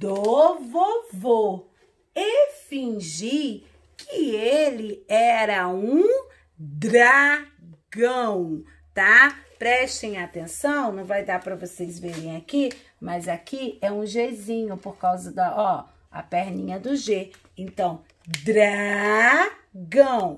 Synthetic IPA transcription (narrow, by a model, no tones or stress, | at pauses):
d̪ovovo | efĩʒi | kʰɪelɪɛɾɐũ | d̪ɾa | ɡɐ̃w̃ | t̪apɾɛʃt̪ẽj̃at̪ẽsɐ̃w̃nɐ̃w̃vajd̪apɾɐvosejzveɾẽj̃aki | mɐzakiɛũʒezĩɲʊpoɾkawzɐd̪ɐɔ | ɐ̰pɛɾnĩɲɐd̪ʊʒe | ẽnt̪ɐ̃w̃ | d̪ɾa | ɡɐ̃w̃